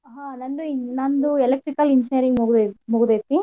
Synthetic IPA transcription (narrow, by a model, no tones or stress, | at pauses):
ɦaːnɐnd̪uinɐnd̪uɛlek̚ʈɾikɐlind͡ʒɐjɐɾiŋɡmuɡud̪emuɡud̪eːt̪ːi